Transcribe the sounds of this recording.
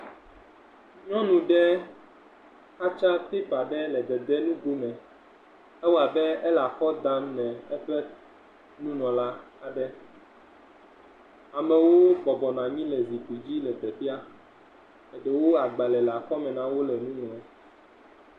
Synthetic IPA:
ɲɔ̃˦nũ˨ɖɛ˦ | xa˦t͡ʃa˦t̪e˦pa˨ɖɛ˦lɛ˨d̪ɛ˨d̪ɛ˦nũ˦ɡo˦mɛ̃˨ | ɛ˦wɔ˦a˨bɛ˦ɛ˦la˨xɔ˦d̪a˦mnɛ̃˨ɛ˦ɸɛ˦ | nũ˦nɔ̃˨la˦a˨ɖɛ˦ | a˨mɛ̃˨wo˦bɔ˨bɔ˨nã˨ɲĩ˦lɛ˨zi˨tu˨d͡ʑi˦lɛ˨d̪ɛ˨fi˦a˦ | mɛ˨ɖɛ˨wo˦a˨ɡ͡ba˨lɛ˨la˨xɔ˦mɛ̃˨nã˦wo˦lɛ˨nũ˦nũ˨ɛ˨

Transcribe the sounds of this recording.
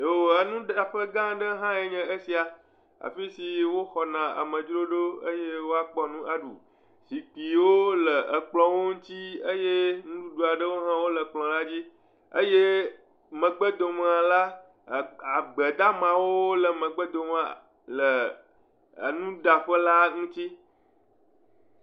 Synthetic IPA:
o˨ə˨nũ˦ɖa˨ɸə˦ɡã˦ɖə˦ɦã˦e˦ɲɛ̃˨ə˦si˨a˨ | a̰˨fi˦si˨wo˦xɔ˨nã˨a̰˨mə̃˨d͡ʒɾo˦ɖo˦ə̰˦je˦wo˦a˦k͡pɔ˦nũ˦a˦ɖṵ˨ | si˨k͡pi˨wo˦lə˨ʔə˨k͡plɔ̃˨wo˦ŋ̩˦t̪i˦ə˦je˦nũ˦ɖu˦ɖu˨a˨ɖə˦wo˦ɦã˦wo˦lə˨k͡plɔ̃˨la˦d͡ʑi˦ | ə˦je˦ | mə̃˨ɡ͡bə˦d̪o˨m˦ã˨la˦˨ | a˨ɡ͡bə˨d̪a˦mã˨wo˦lə˨mə̃˨ɡ͡bə˦d̪o˨m˦a̰˨ | lə˨ | nũ˦ɖa˨ɸə˦la˦ŋũ˦t͡ɕi˦

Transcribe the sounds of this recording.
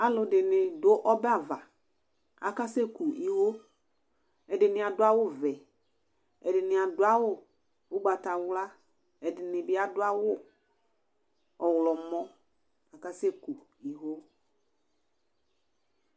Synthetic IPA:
a˨lʊ˨dɪ˨nɪ˨dʊ˦ʔɔ˦bɛ˦a˨va˨ | a˨ka˦se˦ku˨ʔi˨ɦo˦ | ɛ˨dɪ˨nɪ˨a˨dʊ˦a˦wʊ˦˨vɛ˨ | ɛ˨dɪ˨nɪ˨a˨dʊ˨˦a˦wʊ˦˨ | ʊ˦ɡ͡ba˨ta˨wla˦ | ɛ˨dɪ˨nɪ˨bɪ˦a˨dʊ˦a˦wʊ˦˨ | ɔ˨wlɔ˨mɔ˦ | a˨ka˦se˦˨ku˨ | i˨ɦo˦

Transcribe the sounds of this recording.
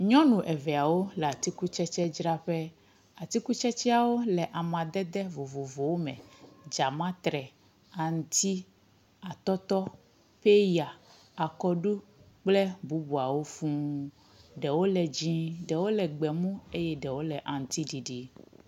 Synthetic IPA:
ɲɔ̃˦nũ˨ʔɛ˨vɛ˨a˨wo˦lɛ˨a˨t̪i˦ku˦t͡ʃɛ˦t͡ʃɛ˦d͡ʒɾa˦ɸɛ˦ | a˨t̪i˦ku˦t͡ʃɛ˦t͡ʃɛ˦a˨wo˦lɛ˨ʔa˨mã˨d̪ɛ˦d̪ɛ˦vo˨vo˨vo˨wo˦mɛ̰̃˨d͡ʒa˨mã˦t̪ɾɛ˨ | a˨ŋ̩˨t̪i˦ | a˨t̪ɔ˦t̪ɔ˦ | ɸe˦ja˨ | a˨kɔ˦ɖu˦ | k͡plɛ˦bu˦bu˨a˨wo˦fũ˦ | ɖɛ˨wo˦lɛ˨d͡ʑĩ˦ɖɛ˨wo˦lɛ˨ɡ͡bɛ˨mũ˦e˦jɛ˦ɖɛ˨wo˦lɛ˨ʔa˨ŋ̩˨t̪i˦ɖi˨ɖi˨

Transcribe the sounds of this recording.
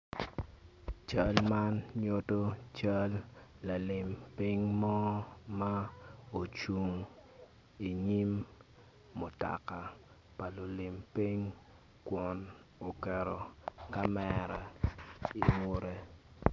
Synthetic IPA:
t͡ʃɐ˦lma˦nɲo˦to˦t͡ʃa˦lːa˨lɪ˨mpi˦ŋmɔ˦ma˦o˨t͡ʃu˨ŋ | i˨ɲi˦mː | ʊ˨ta̰˨ka˨ | pa˨lo˨lɪ˨mpi˦ŋ | kwɔ˨n | o˨kɛ˨ɾo˨ka˦mɛ˨ɾɛ˨i˨mo˦ɾe˦

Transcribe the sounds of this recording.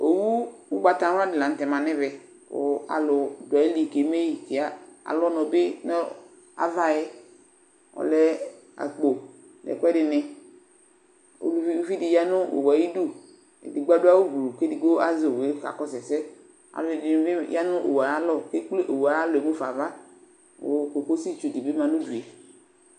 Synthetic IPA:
o˨wu˦wu˦ɡ͡ba˨t̪a˨˦a˦dɪ˨la˨n̩˨tɛ˨mã˨nɛ˦bɛ˨ | ko̰˨a̰˨lʊ˨dʊ˨a˨i˦li˨ke˨˦me˦ji˨ti˨a˦a̰˨lɔ˦nɔ˨bɪ˦nɔ˦ | a̰˨va˦jɛ˦ | ɔ̰˨lɛ˦ | a̰˨k͡po˨ | lɛ̰˨kʷɛ˦dɪ˨nɪ˨ | o̰˨li˦vi˦dɪ˨ja˦nʊ̃˦o̰˨wa˨ji˦du˦˨ | ḛ˨di˨ɡ͡ba˦dʊ˦a˦wo˦bu˨lu˨ke˦di˨ɡ͡bo˦a˦zwe˨˦ka̰˨kɔ˦sɛ˨sɛ˦ | a̰˨lɪ˨dɪ˨˦ɪ˦ja˦nʊ̃˦ʔo̰˨wa˨a˦lɔ˦˨ke˦k͡ple˦ʔo˨wa˨a˦lɔ˨e˨me˦fa˨va˦ | wo̰˨ko˨ko˦si˦˨t͡ʃu˨di˨be˦mã˨nʊ̃˦du˨ɛ˨

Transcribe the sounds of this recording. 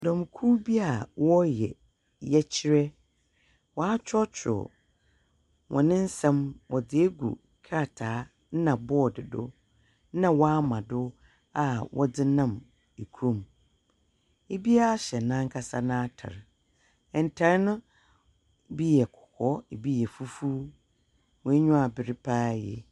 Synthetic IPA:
dɔ̃˨m˨kʰu˦bi˦a˨wɔ˦jɛ̰˨ | jɛ˦t͡ɕʰi˦ɾɛ˦ | wɔ˦a˦t͡ɕʰᶣɔ˦t͡ɕʰᶣʊ̰˨ | wʔɔ̰̃˨nɪ̃˦n̩˦sɛ̃˦mwʔɔ˨d͡zɪ˨e˦ɡṵ˨ | kʰa˦˨tʰaː˨˦ | nã˨bɔ˦˨dɪ˨dʊ̰˦ | nã˦wɔ˦a˦mã˨dʊ˦ | a˦wʔɔ̰˦dɪ˦nã˦˨m | e˨kʰõ˦˨m | e˦bi˦a˦a˦ɕɛ˨nã˦ŋ̩˦kʰa˦sa˦nã˦tʰa̰˨ɾ | ɛ̃˨n̩˨tʰa˨ɾnʊ̃˦ | bi˦jɛ˨kʰɔ̥˨kʰɔ˦e˨bi˦jɛ˨fu˦fuː˦ | wɔ̃˨˦ɲʊ̃˦a˨bɪ˨ɾɪ˦pʰaː˦jɛ̰˨

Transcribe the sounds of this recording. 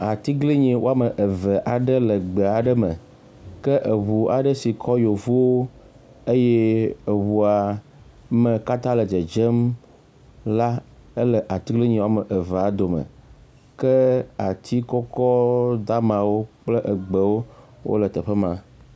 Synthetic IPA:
a˨t̪i˦ɡli˦ɲĩ˨wo˦a˦mə˨ʔə˨və˨ʔa˨ɖə˦lə˨ɡ͡be˨a˨ɖə˦mə̰̃˨ | kə˦ʔə˨βu˨a̰˨ɖə˦si˨kʰɔ˦jo˨vu˦wo˦ | e˦jɛ˦ə˨wu˨a˨ | mə̃˨ka˦t̪ã˦lə˨d͡ʒə˨d͡ʒə˦m | la˦ə˦lə˨ʔa˨t̪i˦ɡli˦ɲẽ˨wo˦a˦˨mə˨ʔə˨ve˨a˨d̪o˨mə̰̃˨ | kə˦a˨t̪ʰi˦kɔ˦kɔ˦d̪a˦mã˨wo˦k͡plə˦ʔə˨ɡ͡bə˨wo˦ | wʔo̰˦lə˨t̪ə˨ɸə˦mã˨

